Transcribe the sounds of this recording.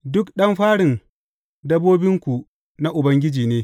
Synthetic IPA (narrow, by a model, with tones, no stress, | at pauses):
dʊ˦kɗɐ˦mɸaː˦ɽɪ˨n | dɐ˦bːoː˦bɪ˦ŋkʷu˨ | na˦ʔʊ˨bɐ˦ŋɡʲɪ˦d͡ʒiː˨neː˦